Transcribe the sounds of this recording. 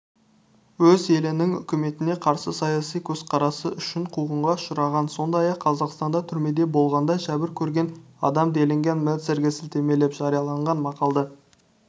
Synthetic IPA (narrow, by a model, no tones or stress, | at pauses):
wɵze̞lɪnɪŋʏ̰kʲɪme̞t̪ɪne̞qʰɑɾsəsɑjɑsijkʲʰɵz̥qʰɑɾɑsəʔʏʃɪɴqʰuʁəɴʁɑʃʊɾɑʁɑnso̞nd̪ɑjɑqʰːɑzɑqst̪ɑnd̪ɑt̪ʰʏɾme̞d̪e̞bo̞lˠʁɑnd̪ɑʃæbɪɾkʲʰɵɾɡʲe̞n | ɑ̰d̪ɑmd̪e̞lɪŋɡʲe̞nmelt̪seɾɡʲɪsɪlt̪e̞me̞le̞pʒ̥ɑɾijɑlˠɑɴʁɑnmɑqɑlˠd̪ə